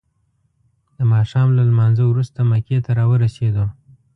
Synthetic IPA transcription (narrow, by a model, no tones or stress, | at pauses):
d̪əmɑʃɑmlalmɑnzəwɾust̪amaket̪aɾɑwəɾased̪o